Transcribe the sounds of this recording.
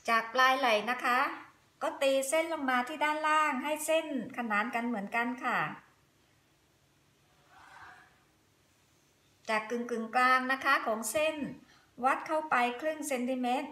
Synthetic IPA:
t͡ɕaː˨˩k̚plaː˧jla˨˩jna˦˥kʰa˦˥ | kɔː˥˩t̪iː˧se˥˩nla˧mːaː˧t̪ʰiː˥˩daː˥˩nlaː˥˩ŋɦa˥˩jse˥˩nkʰa˧naː˩˦nka˧nmɯ˩˦ənka˧nkʰa˥˩ | t͡ɕaː˨˩kːɯ˨˩ŋkɯ˨˩ŋklaː˧ŋna˦˥kʰa˦˥kʰɔː˩˦ŋse˥˩n | wa˦˥t̪̚kʰa˥˩wpa˧jkʰlɯ˥˩ŋse˧nt̪ʰiː˧me˦˥t̪̚

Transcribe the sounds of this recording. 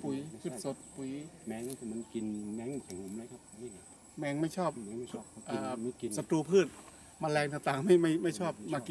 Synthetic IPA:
pu˨˩jpʰɯː˥˩t̪̚so˨˩t̪̚pu˨˩jmɛ˧˥ŋa˧˩tʰi˧˩ma˧˥nki˨nmɛ˧˥ŋsʰa˨˩ŋo˨˧˦mla˧˦˩kʰa˧˩p̚i˧˩˧ | mɛː˧˥ŋma˥˩jt͡ɕʰɔː˥˩p̚ɛ˧˦ŋː˥˩˧p̚ʔaː˧˩˧i˧˨nsa˧t̪ɾuː˧pʰɯː˥˩t̪̚ | maː˧lɛː˧ŋt̪aː˧˩ŋt̪aː˨˩˦ŋma˥˩jma˥˩jma˥˩jt͡ɕʰɔː˥˩p̚maː˧ki˧

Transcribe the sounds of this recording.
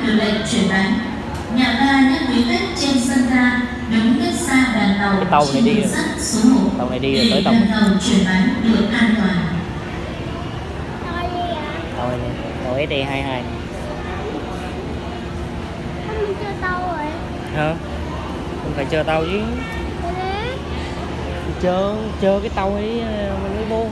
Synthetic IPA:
ɗɨ˨˩lə̰˧˨jt͡ɕwi˧˩ənʔa˨˦jŋ̟ | ɲa̰ː˧˨vaː˧ɲə˦˥t̚wi˨˦t̪ə˦˥k̚t͡ɕe˧nsə˧nzaː˧ | ɗɨ˨˦ŋ͡mk̪ə˦˥t̚saː˧ɓaː˨˩nt̪ə˨˩w̪a˧t͡ɕwn˨˧i˧˨˦zə̰˦˥t̚su˨˦ŋ͡mmo˨˩t̪̚a˧wna˨˩jɗi˧ɨɗe˨˩əː˨˩˦ə˨˩ŋt̪ʰə˨˩wt͡ɕwi˧˩ənʔa˨˦jŋɗɨ˨˩ək̚ʔaː˧nt̪waː˨˩n | nɔ˨˧i˧˩a˨˩ | t̪o˧˩j | t̪a˧wʔe˨˦˥ɗi˧ɦaː˧jɦaː˧j | t͡ɕəː˧t̪a˧wo˨j | həː˧˩ | hə˧˦ŋ͡mfaː˧˩jt͡ɕəː˧˩t̪a˧wzi˨˦˧ | t͡ɕəː˧˩ | t͡ɕəː˧˩kaː˨˦jt̪a˧wʔi˨˧˦ | mə˨˩mə˨˦ɓo˧˦

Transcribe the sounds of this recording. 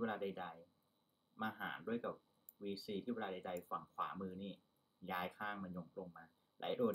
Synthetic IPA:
e˧laː˧da˧jda˧j | maː˧ɦa̰ː˩˦ndu˥˩əjka˨˩p̚ | wiː˧siː˧t̪ʰiː˥˩we˧aː˧da˧jda˧jfa˨˩ŋkʰwa̰ː˩˦mɯː˧niː˥˩ | jaː˧jkʰaː˥˩ŋma˧njo˧ŋklo˧ŋmaː˧ | la̰˩˦jduː˧

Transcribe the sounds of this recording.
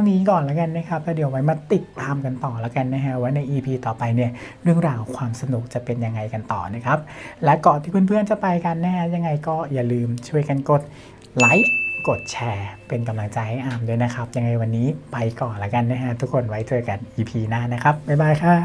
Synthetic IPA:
t̪ʰa˥˧ŋniː˦˥kɔː˨˩nla˦˥ka˧nːa˦˥˩kʰa˦˥p̚t̪ɛː˦˥˩di˨˩˦əwa˦˥jmaː˧t̪i˨˩t̪ːaː˧mka˧nt̪ɔː˨˩la˦˥ka˧nːa˦˥kʰa˦˥waː˦˥˩na˧jʔiː˧pʰiː˧t̪ɔː˨˩pa˧jni˥˩ɐ | ɾɯ˥˩əŋɾaː˧wkʰwaː˧msa˧nu˨˩k̚t͡ɕa˨˩pe˧nja˧ŋːa˧jka˧nt̪ɔ̰ː˨˩na˦˥kʰa˦˥p̚lɛ˦˥kɔ˨˩t̪ʰiː˥˩pʰːnpʰɯ˥˩ənt͡ɕa˨˩pa˧jka˧nːa˦˥kʰa˦˥ja˧ŋːa˧jkɔː˥˩jaː˨˩lɯː˧mt͡ɕʰu˥˩əjka˧nko˨˩t̪̚ | la˦˥jko˨˩t̪̚t͡ɕʰɛː˧pe˧nka˧mla˧ŋt͡ɕa˧jha˥˩jʔaː˧mdu˥˩˨jna˦˥kʰa˦˥p̚ja˧ŋːa˧jwa˧nːiː˦˥pa˧jkɔː˨˩nla˦˥ka˧nːa˦˥kʰa˦˥t̪ʰu˦˥kʰːo˧nwa˦˥jt͡ɕʰɤː˧jka˧nʔiː˧pʰiː˧naː˥˩na˦˥kʰa˦˥p̚ma˥˩jbaː˧˩jkʰa˧˥˩

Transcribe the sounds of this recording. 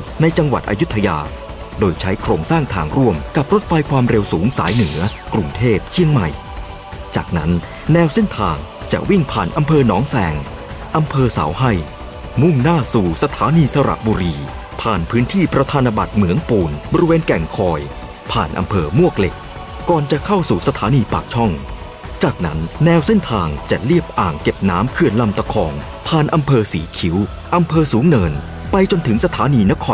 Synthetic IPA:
na˧jt͡ɕa˧ŋwa̰˨˩t̪ʔa̰˧ju˦˥t̪ʰːa˧ja̰ː˧ | doː˧jt͡ɕʰa˦˥jkʰɾoː˧ŋsaː˥˩ŋt̪ʰaː˧ŋɾu˥˩əmka˨˩p̚ɾo˦˥t̪̚fa˧jkʰwaː˧mɾe˧wsuː˩˦ŋsa̰ː˩˦jnɯ˩˦ɐkɾu˧ŋt̪ʰeː˥˩p̚t͡ɕʰi˧˥˩əŋma̰˨˩j | t͡ɕa̰ː˨˩k̚na˦˥nː | ɛː˧wse˥˩nt̪ʰaː˧ŋ | t͡ɕa̰˨˩ʔwi˥˩ŋpʰa̰ː˨˩nʔa˧mpʰɤː˧nɔː˩˦ŋsɛː˧ŋ | ʔa˧mpʰɤː˧sa̰ː˩˦wɦa˥˩j | mu˥˩ŋnaː˥˩suː˨˩sa˧t̪ʰaː˩˦niː˧sa˧ɾa̰˨˩ʔ̚buː˧ɾiː˧ | pʰaː˨˩npʰɯː˦˥nt̪ʰiː˥˩pɾa˧t̪ʰaː˧na˧ba̰˨˩t̪̚mɯ˩˦əŋpuː˨˩nbɔ˧ɾi˧weː˧nkɛ˨˩ŋkʰɔː˧j | pʰa̰ː˨˩nʔa̰˧mpʰɤː˧mu˥˩ək̚le˨˩k̚ | kɔː˨˩nt͡ɕa˨˩kʰa˥˩wsuː˨˩sa˧t̪ʰaː˨˦niː˧paː˨˩k̚t͡ɕʰɔ˥˩ŋ | t͡ɕaː˨˩k̚na˦˥nːɛː˨˧wse˥˩nt̪ʰaː˧ŋt͡ɕa˨˩li˥˩əp̚ʔaː˨˩ŋke˨˩p̚naː˦˥mkʰɯ˨˩ənla˧mt̪a˧kʰɔː˧ŋ | pʰaː˨˩nʔa˧mpʰɤː˧siː˩˦kʰi˩˦w | ʔa˧mpʰɤː˧suː˨˩˦ŋnɤː˧n | pa˧jt͡ɕo˧nt̪ʰɯ˩˦ŋsa˧t̪ʰaː˨˦˥niː˧na˦˥kʰɔː˧

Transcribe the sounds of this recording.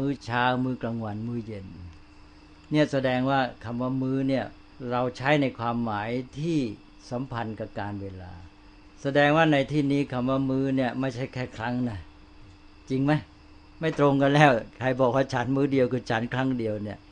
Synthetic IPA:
mɯː˦˥˩t͡ɕʰaː˦˥wmɯː˥˩kla˧ŋwa˧nmɯː˦˥˩je˧˩n | ni˥˩ɐsa˧dɛː˧ŋwaː˥˩kʰa˧˩mwaː˥˩mɯː˦˥ni˥˩ɐ | ɾa˧wt͡ɕʰa˦˥jna˧jkʰwaː˧mːaː˩˦jt̪ʰiː˥˩ | sa˩˦mpʰa˧nka˨˩p̚kaː˧nweː˧la̰ː˧ | sa˧dɛː˧ŋwaː˥˩na˧jt̪ʰiː˥˩niː˦˥˩kʰa˧˩mwaː˥˩mɯː˦˥ni˥˩əma˥˩jt͡ɕʰa˥˩jkʰɛː˥˩kʰɾa˦˥ŋna˦˥˩ | t͡ɕi˧ŋma˦˥j | ma˥˩jt̪ɾo˧ŋka˧nlɛː˥˩wkʰa˧jbɔː˨˩k̚waː˥˩t͡ɕʰa˦˥nmɯː˦˥di˧əwkʰɯː˧t͡ɕʰa˦˥nkʰɾa˦˥ŋdi˧əwni˥˩ɐ

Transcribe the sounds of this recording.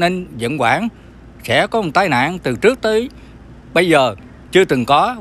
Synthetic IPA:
ne˧nzə̰˧˨nkwaː˧˩n | sɛ̰˧˥kɔ˨˦mɔ˨˩t̪aː˧jna̰ː˧˨nt̪ɨ˨˩t͡ɕɨ˦˥ək̚t̪əː˨˦j | ɓə˧jzəː˨˩ | t͡ɕɨ˧ət̪ɨ˨˩ŋkɔ˨˦

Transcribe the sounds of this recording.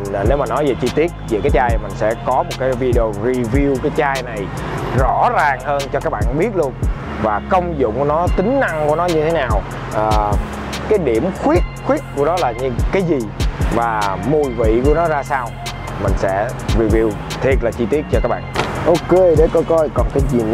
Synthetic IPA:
ne˨˦wmaː˨˩nɔ˨˦jveː˨˩t͡ɕi˧t̪i˦˥ət̚vḭ˨˧˨kaː˨˦k̚t͡ɕaː˧jmï˨˩ŋ̟sɛ̰˧˥kɔ˨˦mo˨˩t̚kaː˨˦jvi˧ɗi˧o˧ɹi˧vi˧wkaː˨˦jt͡ɕaː˧jna˨˩j | zɔ̰˧˥zaː˨˩ŋhəː˧nt͡ɕɔ˧kaː˦˥k̚ɓa̰ː˧˨nɓi˦˥ət̚lu˧ən | vaː˨˩kə˧wŋ͡mzʊ̰˧˨ŋ͡mku˧˩ənɔ˨˦t̪ï˨˦ŋ̟na˧ŋku˧˩ənɔ˨˦ɲɨ˧e˨˦naː˨˩w | ʔəː˨˩ | kaː˨˦jɗi˧˩əmxwi˦˥ət̚xwi˦˥ət̚ku˧˩ənɔ˨˦laː˨˩ɲɨ˧kaː˨˦jzi˨˩vaː˨˩mu˨˩jvḭ˧˨ku˧˩ənɔ˨˦zaː˧saː˧w | mï˨˩ŋ̟sɛ̰˧˥vi˧˩vi˧w | t̪ʰi˨˩ət̚laː˨˩t͡ɕi˧t̪i˦˥ət̚t͡ɕɔ˧ka˦˥k̚ɓa̰ː˧˨nʔo˧ke˧ɗe˨˧˦jkɔ˨˦kɔ˧jkɔ˨˩nkaː˨˦jzi˨˩

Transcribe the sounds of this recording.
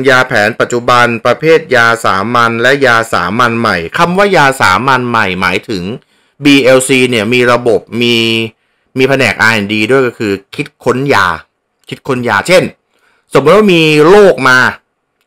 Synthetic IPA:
jaː˧pʰɛː˩˦npa˨˩t̪̚ːt͡ɕu˨˩ba˧npɾa˧pʰeː˥˩t̪̚jaː˧sa̰ː˩˦ma˧nlɛ˦˥ʔjaː˧sa̰ː˩˦ma˧nma˨˩jkʰa˧mwaː˥˩jaː˧sa̰ː˩˦ma˧nma˨˩jma̰ː˩˦jt̪ʰɯ˩˦ŋ | biː˧ʔeː˧wsiː˧ni˥˩ɐmiː˧ɾa˧bo˨˩p̚miː˧ | miː˧pʰa˧nɛː˨˩k̚ʔaː˧ja˨˩ŋdiː˧du˥˩əjkɔ˥˩kʰɯː˧kʰi˦˥t̪̚kʰo˦˥njaː˧ | kʰi˦˥t̪̚kʰo˦˥njaː˧t͡ɕʰe˥˩n | so˨˩˦mː˦˥t̪̚waː˥˧miː˧loː˥˩k̚maː˧

